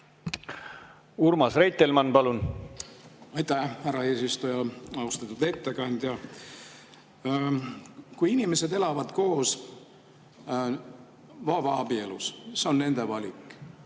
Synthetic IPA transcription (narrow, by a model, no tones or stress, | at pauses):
urmɑsrejt̪ːˑelmɑnpɑlun | ɑjt̪æhhæɾɑe̞ːsist̪ujɑɑust̪ɑt̪ːˑud̪e̞t̪ːekɑnd̪̥ʲjɑ | kujinime̞se̞d̪e̞lɑvɑd̪̥ko̞ːs | vɑːvɑɑbie̞lṵsseo̞nːe̞nd̪̥e̞vɑlʲikːˑ